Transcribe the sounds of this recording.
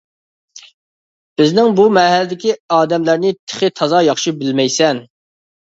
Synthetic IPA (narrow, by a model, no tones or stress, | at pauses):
b̥ɪznɪŋbumɛɦælɪd̪ɪkʲiɑːd̪ɛmlæɾnɪt̪ʰɪ̥χɪt̪ʰɑzɑjɑχʃibɪlmɛjsɛn